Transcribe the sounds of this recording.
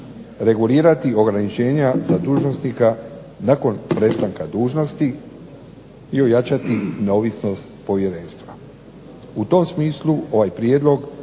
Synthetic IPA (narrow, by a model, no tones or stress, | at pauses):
ɾe̞ɡuliːɾat̪io̞ɡɾanit͡ʃe̞ːɲazad̪uːʒno̞snika | nako̞npɾe̞st̪aŋkad̪uːʒno̞st̪i | io̞jat͡ʃat̪ine̞o̞ʋisno̞st̪po̞ʋje̞ɾe̞nst̪ʋa | ut̪o̞msmiːsluo̞ʋajpɾjed̪lˠo̞ɡ